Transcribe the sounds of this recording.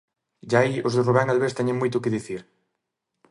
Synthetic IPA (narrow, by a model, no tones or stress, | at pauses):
ʒaiozðɪruβɛŋalβest̪ɛɲɪ̃ŋmojt̪ʊkɪðiθiɾ